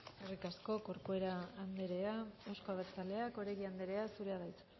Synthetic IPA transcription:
erikasko̞ko̞ɾkoe̞ɾaːnd̪eɾe̞ae̞wskoaβeɾt͡sale̞ako̞ɾeɣiand̪eɾe̞asuɾe̞aðajt͡su̥

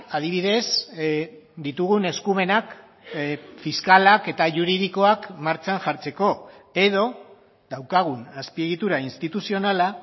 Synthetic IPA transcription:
að̞iβ̞ið̞e̞s | d̪it̪uɣune̞skume̞nak | fiskalake̞t̪aʝuɾið̞iko̞akmaɾt͡ʃanʝaɾt͡se̞ko̞e̞ð̞o̞ | d̪awkaɣ̞unaspie̞ɣit̪uɾainst̪it̪usio̞nala

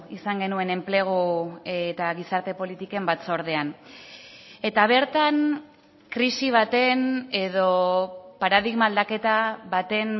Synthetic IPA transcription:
isaŋɡe̞nue̞ne̞mple̞ɣ̞oet̪aɣisaɾt̪e̞po̞lit̪ike̞mbat͡so̞ɾðe̞an | e̞t̪aβ̞e̞ɾt̪an | kɾisiβ̞at̪e̞ne̞ðo̞paɾaðiɣmaːld̪ake̞t̪aβat̪e̞n

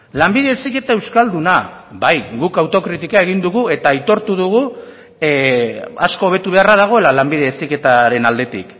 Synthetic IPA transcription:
lambiðe̞esike̞t̪ae̞wskald̪unabajɡukawt̪o̞kɾit̪ikae̞ɣ̞ind̪uɣue̞t̪aːjt̪o̞ɾt̪uð̞uɣ̞u | asko̞ːβ̞e̞t̪uβe̞araðaɣ̞o̞e̞lalambiðe̞esike̞t̪aɾe̞nald̪e̞t̪ḭk

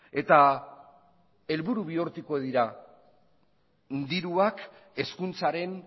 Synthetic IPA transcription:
e̞t̪a | e̞lβuɾuβioɾt̪uko̞ð̞iɾa | nd̪iɾuake̞skunt͡saɾe̞n

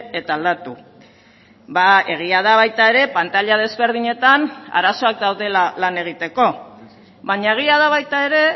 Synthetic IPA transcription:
e̞t̪aːld̪at̪u | bae̞ɣ̞iað̞aβajt̪ae̞ɾe̞pant̪aʎað̞e̞zβe̞ɾðiɲe̞t̪ana̰ɾaso̞ak̚d̪awðe̞lalane̞ɣ̞it̪e̞ko̞ | βaɲaeɣ̞iað̞aβajt̪ae̞ɾe̞

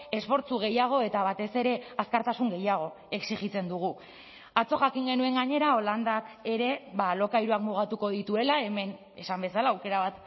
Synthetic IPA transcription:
e̞sfo̞ɾt͡suɣ̞e̞jaɣ̞o̞e̞t̪aβ̞at̪e̞se̞ɾe̞askaɾt̪asuŋɡe̞jaɣ̞o̞ | e̞ksiɣit͡se̞nd̪uɣ̞u | at͡so̞xakiŋɡe̞nue̞ŋɡaɲe̞ɾao̞land̪ake̞ɾe̞βalo̞kajɾuakmuɣ̞at̪uko̞ðit̪ue̞lae̞me̞n | e̞sambe̞salaːwke̞ɾaβat̪

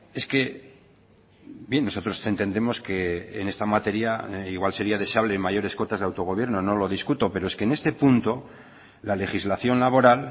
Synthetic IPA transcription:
e̞ske̞ | bje̞nːo̞so̞t̪ɾo̞se̞nt̪e̞nd̪emo̞ske̞ːne̞st̪amat̪e̞ɾiaiɣwalse̞ɾiað̞e̞seaβ̞le̞maʝo̞ɾe̞sko̞t̪azðawt̪o̞ɣ̞o̞β̞je̞ɾno̞no̞lo̞ðiskut̪o̞pe̞ɾo̞e̞skeːne̞st̪e̞punt̪o̞ | lale̞xizlaθjo̞nlaβ̞o̞ɾal

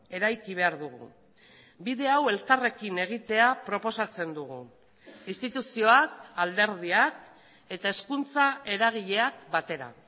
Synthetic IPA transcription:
e̞ɾajkiβ̞e̞aɾðuɣṵ | biðe̞awe̞lkare̞kine̞ɣ̞it̪e̞apɾo̞po̞sat͡se̞nd̪uɣṵ | inst̪it̪usio̞akald̪e̞ɾð̞iak | e̞t̪ae̞skunt͡sae̞ɾaɣ̞iʎe̞ak̚bat̪e̞ɾa̰

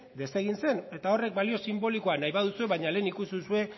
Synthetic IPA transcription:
d̪e̞se̞ɣ̞inse̞ne̞t̪ao̞re̞k̚balio̞simbo̞liko̞anajβaðusue̞βaɲale̞ːnikusiðusue̞

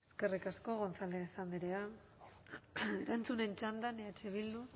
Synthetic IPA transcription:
eske̞rikasko̞ɣo̞nt͡sald̪eisand̪iɾea | e̞ɾant͡sune̞nt͡ʃand̪aneat͡ʃeβild̪u

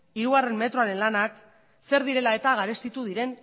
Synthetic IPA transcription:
iɾuɣare̞mme̞t̪ɾo̞aɾe̞nlanak | se̞ɾðiɾe̞lae̞t̪aɣaɾe̞st̪it̪uð̞iɾe̞n

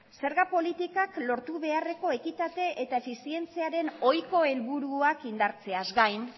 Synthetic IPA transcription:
se̞ɾɣapo̞lit̪ikaklo̞ɾt̪uβ̞e̞are̞ko̞e̞kit̪at̪e̞ʔet̪aefisie̞nt͡siaɾe̞no̞jko̞e̞lβuɾuakind̪aɾt͡se̞azɡajn

